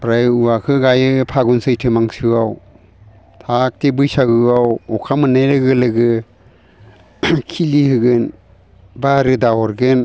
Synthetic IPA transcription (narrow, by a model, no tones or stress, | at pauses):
pɾajuwakʰɯɡajɯpʰaɡunsɯjtʰɯmaŋsɯaw | tʰak̚tebɯjsaɡɯawɔkʰamɯnajɾɯɡɯlɯɡɯ | kʰilihɯɡɯn | baɾɯdaɔɾɡɯn